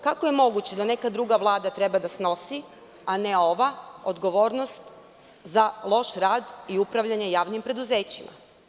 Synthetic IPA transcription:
kakojemo̞ɡut͡ɕe̞d̪ane̞kad̪ɾuɡaʋlˠaːd̪at̪ɾe̞bad̪asno̞si | aneo̞ʋaod̪ɡo̞ʋo̞ːɾnost̪ | zalˠo̞ʃɾaːd̪iupɾaʋʎaɲe̞jaːʋnimpɾe̞d̪uze̞ːt͡ɕimʔa̰

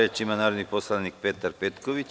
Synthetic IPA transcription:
et͡ʃimanaːɾod̪niposlˠanik̚pet̪aɾpet̪koʋit͡ɕ

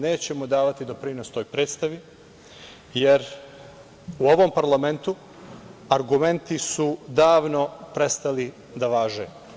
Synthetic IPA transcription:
ne̞ːt͡ɕe̞mo̞d̪aːʋat̪id̪o̞pɾino̞st̪o̞jpɾe̞ːt̪st̪aʋi | je̞ɾ | uo̞ʋo̞mpaɾlˠame̞nt̪u | aɾɡume̞nt̪isud̪aːʋno̞pɾe̞st̪ali | d̪aʋaːʒeː

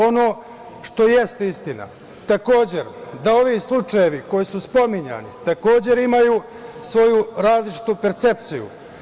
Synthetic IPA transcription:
o̞no̞ː | ʃt̪o̞je̞st̪eist̪ina̰ | t̪ako̞ːd͡ʑe̞ɾd̪ao̞ʋislˠut͡ʃaje̞ʋiko̞jisuspo̞miɲa̰nḭt̪ako̞ːd͡ʑe̞ɾimajuː | sʋo̞juɾaːzlˠit͡ʃi̥t̪upe̞ɾt̪se̞p̚t̪sijṵ

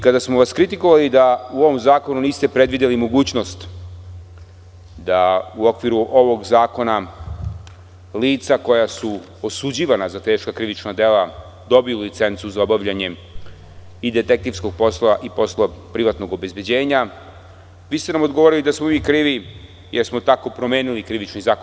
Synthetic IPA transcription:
ikad̪asmoʋaskɾit̪iko̞ʋalid̪auo̞ʋo̞mzaːko̞nuniːst̪e̞pɾe̞d̪ʋid̪elimo̞ɡuːt͡ɕno̞st̪ | d̪auokʋiɾuʔo̞ʋo̞ɡzaːko̞na | liːt̪sako̞jasu | osud͡ʑiːʋanazat̪e̞ːʃkakɾiʋit͡ʃnad̪e̞la | d̪o̞bijulit̪se̞nt̪suzaobaʋʎaɲe̞ | id̪e̞t̪ek̚t̪iʋsko̞ɡ̚po̞slaʔipo̞slˠapɾiʋat̪noɡo̞be̞zbje̞d͡ʑe̞ːɲa | ʋiːst̪e̞namo̞d̪ɡoʋoɾiid̪asmo̞miːkɾiːʋi | jeɾsmo̞t̪ako̞pɾome̞ːnilikɾiʋit͡ʃnizaːk

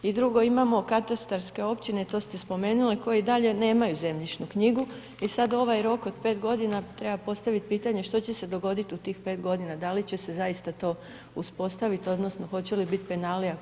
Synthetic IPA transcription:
id̪ɾuɡo̞imamo̞kat̪ast̪aɾske̞o̞pt͡ɕine̞t̪o̞ːst̪e̞spo̞me̞ːnuliko̞jid̪aʎe̞ne̞ːmajuze̞mʎit͡ʃnukɲiɡu | isad̪o̞ʋajɾo̞kod̪pe̞t̪ɡo̞d̪inat̪ɾe̞bapo̞st̪aʋit̪̚piːt̪aɲe̞ʃt̪o̞t͡ɕese̞d̪o̞ɡo̞d̪it̪ut̪iːxpe̞ːt̪ɡo̞d̪inad̪alit͡ɕe̞se̞zaist̪at̪o̞ː | uspo̞st̪aʋit̪o̞d̪no̞snoxo̞t͡ɕe̞libit̪penalija

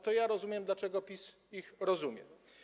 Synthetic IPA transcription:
t̪ɔjaɾɔzumʲjɛmd̪lat͡ʂɛɡɔpʲis | ixɾɔzumʲjɛ̰

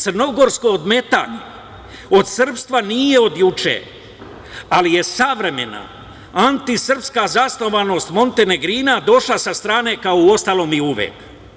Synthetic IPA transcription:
t̪sərno̞ɡo̞ɾsko̞od̪me̞t̪a̰ɲe | o̞d̪sr̩pst̪ʋanije̞o̞d̪jut͡ʃḛː | alije̞saʋɾe̞me̞na̰ | ant̪isr̩pskazasno̞ʋano̞st̪mo̞nt̪e̞ne̞ɡɾiːnad̪o̞ʃlasast̪ɾaːne̞ːkaouo̞st̪alo̞ːmiuʋḛːk

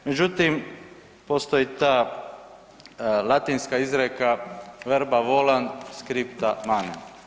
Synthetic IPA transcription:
med͡ʒut̪im | post̪ojit̪aː | lˠat̪inskaizɾekaʋeɾbaʋoland̪skɾipt̪amanen

